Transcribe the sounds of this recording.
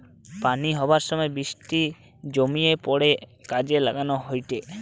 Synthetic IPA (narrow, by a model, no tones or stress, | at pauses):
paniɦɔbaɾʃɔmɔebiʃʈi | d͡ʒomiepɔɽekad͡ʑela̰ɡanoɦojʈ̪e